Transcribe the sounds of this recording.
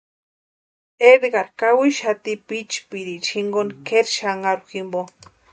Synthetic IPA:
edɡaɾkawiʃat̪ipit͡ʃpiɾit͡ʃʰiŋɡonkʰeɾʃaŋaɾuximbo

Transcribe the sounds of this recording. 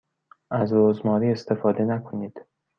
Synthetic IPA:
ʔæzɾoːzmɒːɾiːe̞st̪e̞fɒːd̪e̞nækʰo̞niːd̪̥

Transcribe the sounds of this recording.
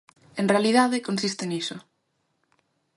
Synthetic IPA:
enrealiðaðekonsist̪eniso

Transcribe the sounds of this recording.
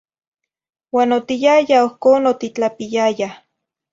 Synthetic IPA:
waːnot̪ijajaohkoːnot̪it͡ɬapijaja

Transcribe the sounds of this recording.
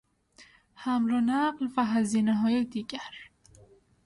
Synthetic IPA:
hæmlonæɢlvæɦæziːneɦɒːjed̪iːɟæɾ

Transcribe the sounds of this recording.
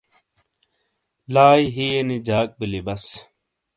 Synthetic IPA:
laːjɦienid͡ʑaːk̚bilibɐs

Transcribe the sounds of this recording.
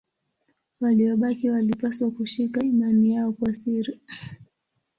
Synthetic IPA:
waliɔɓakiwalipaswakuʃikaimanijaɔkwasiɾi

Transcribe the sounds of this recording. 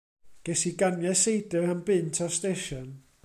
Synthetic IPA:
ɡ̥ɛsiɡanjɛsejdəhənbɪntʰɔstejʃɔn

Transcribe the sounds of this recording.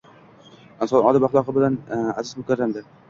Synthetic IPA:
ɪnsɒnɒd̪ɪbaχlˠɒqɨbɪlanazɪzmʊkʲaɾːamd̪ɪ

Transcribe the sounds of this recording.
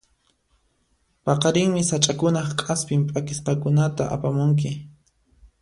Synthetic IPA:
pɑqɑɾɪŋmɪsat͡ʃʼakʊnɑχkʼaspɪmpʼakɪsqɑkʊnat̪a̰ʔa̰pamʊŋk̬ɪ

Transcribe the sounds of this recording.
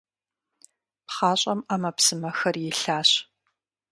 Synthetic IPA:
pχɑːɕʼɐmaːmɐpsɨmɐxɐrjɪɬaːɕ

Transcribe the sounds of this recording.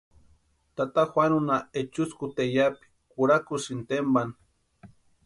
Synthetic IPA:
t̪at̪axwanunaet͡ʃuskut̪ejapi̥ | kuɾakusint̪emban

